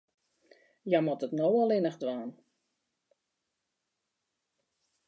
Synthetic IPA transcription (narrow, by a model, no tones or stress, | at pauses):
jamɔtətnowɔlˠɪnəxdʋaːn